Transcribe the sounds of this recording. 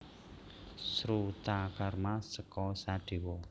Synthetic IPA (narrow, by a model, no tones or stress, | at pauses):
sɾut̪akarmasəkɔsaɖ̪̥e̤wɔ